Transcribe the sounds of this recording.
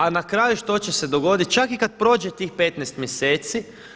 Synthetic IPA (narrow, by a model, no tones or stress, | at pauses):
anakɾajuʃt̪o̞t͡ɕese̞d̪o̞ɡo̞d̪it̪̚t͡ʃakikad̪̚pɾo̞ːd͡ʒet̪iːxpe̞t̪nɛjst̪mʲjeseːt̪si